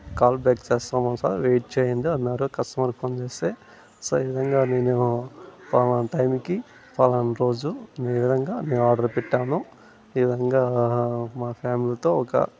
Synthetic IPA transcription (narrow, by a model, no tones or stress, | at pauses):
kaːlbjaːkt͡ʃeːst̪aːmɐnsa̰ːɾʋeːjʈ̚t͡ʃeːjɐnd̪iɐnːaːɾukɐsʈɐmɐɾkpʰɐnt͡ʃeːst̪eː | soːiʋid̪ʱɐŋɡaːne̞ːnupaːlɐnʈɐjmiki | paːlɐnɾo̞ːd͡ʒuneːʋid̪ʱɐŋɡaːne̞ːnuaːɾɖɐɾpiʈːaːnu | iʋid̪ʱɐŋɡaːmaːpʰaːmilit̪o̞ːɔkɐ̰